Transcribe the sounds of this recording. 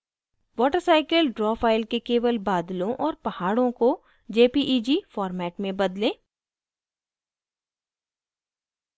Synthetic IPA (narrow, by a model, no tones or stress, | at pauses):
ʋɔːʈəɾsaːɪkəlɖɾɔːfaːɪlkekeːʋəlbaːd̪lõʔɔːɾpɐhaːɽõko | d͡ʒeːpiʔiːd͡ʒifɔːɾmɛːʈmẽbɐd̪lẽː